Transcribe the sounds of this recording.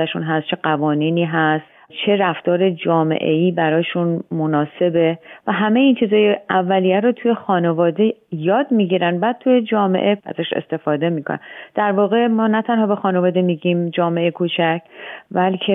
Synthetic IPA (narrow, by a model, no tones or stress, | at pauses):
æʃunɦæst̪t͡ʃʰe̞ɡævɒːniːniːɦæst̪ | t͡ʃʰe̞ɾæft̪ɒːɾe̞d͡ʒɒːme̞̰ʔe̞iːbæɾɒːjʃunmonɒːse̞be̞væɦæme̞jiːnt͡ʃʰiːzɒːjeævːælijæɾot̪ʰuje̞xɒːnevɒːd̪e̞jɒːd̪miːɟiːɾænbæːd̪̚t̪ʰuje̞d͡ʒɒːme̞̰ʔe̞ʔæ̰zæʃḛst̪e̞fɒːd̪e̞miːkʰo̰næ̰d̪̥æɾvɒːɣe̞mɒːnæt̪ʰænhɒːbexɒːne̞vɒːd̪e̞miːɟiːmd͡ʒɒːmeʔekʰuːt͡ʃʰæcʰbælcʰe